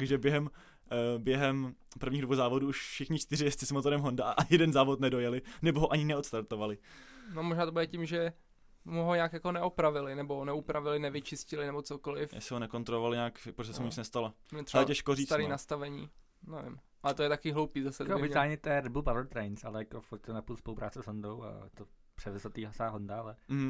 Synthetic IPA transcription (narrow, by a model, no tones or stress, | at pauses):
t̪ɡʒɛbjɛɦɛm | bjɛɦɛmpr̩vɲiːɣdvowzaːvo̞duuʃfʃɪxɲɪt͡ʃt̪ɪɾɪjɛst̪t͡sɪsmot̪oɾɛmɦondaʔaʔaɪjɛdɛnzaːvot̪nɛdo̞jɛlɪnɛboɦoʔaɲɪnɛot̪st̪aɾt̪ovalɪnomoʒnaːt̪obudɛcimʒɛ | muɦoɲaːkjakonɛʔopɾavɪlɪnɛbonɛupɾavɪlɪnɛvɪt͡ʃɪscɪlɪnɛbo̞t͡sokolɪfjɛ̰sɪɦonɛko̞nt̪ɾolovalɪɲaːkpɾoʒɛssɛmuɲɪt͡snɛst̪ala | ɛɾalɛcɛʃkoriːaɾinast̪avɛɲḭː | nɛvɪ̰mʔalɛt̪ojɛt̪akiɦlowpiːzasɛvɪt̪aːɲɛt̪ɛɛɾɛd̚bulpavlt̪ɾɛjnsalɛjakofuɾt̪̚t̪ɛnapulspolupɾa̰ːt͡sɛzɦondowa̰t̪opr̥ɛvɛzot̪iːɦasaːɦondaalɛm̩ɦm̩